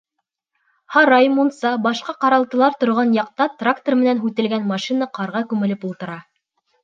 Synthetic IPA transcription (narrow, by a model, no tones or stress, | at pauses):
hɑɾɑjmunsɑbɑʃqɑqɑɾɑlˠt̪ɤ̆lˠɑɾt̪ŏɾʁɑnjɑq̚t̪ɑt̪rakt̪ormɘ̆nænɦʉt̪ɘ̆lɡænmɑʃinɑqɑɾʁɑkʉmɘ̆lɘpulˠt̪ɤ̆ɾɑ